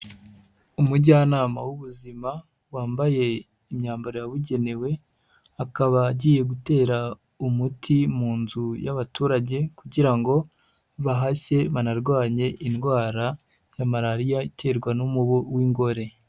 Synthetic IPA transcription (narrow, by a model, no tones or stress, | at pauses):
umuɟanaːmawuβuzima | waːmbaje̞ | imɲaːmbaɾojaβuɟe̞ne̞we̞ | akaβaɟiːje̞ɡute̞ːɾa | umutʰimuːnzujaβatuːɾaɟe̞kuɟiɾaŋɡo̞ | βaɦaʃe̞βanaɾɡwaːɲe̞ʔinɡwaːɾa | jamaɾaɾijaitʰe̞ːɾɡwanumuβuwiːŋɡo̞ɾe̞